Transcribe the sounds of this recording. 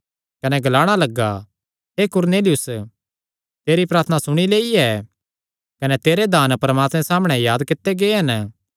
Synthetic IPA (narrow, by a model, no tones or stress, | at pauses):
kɐnɛɡʱɐlaːɽ̃alɐɡːa | ɦekʊɾneːlɪjʊs | t̪eːɾipɾaːɾt̪ʰnasʊɽ̃ileːiɛː | kɐnɛt̪eːɾed̪ʱaːnpɐɾəmaːt̪mɛ̃saːmɽ̃ɛjaːd̪kɪt̪ːeɡeɦɐn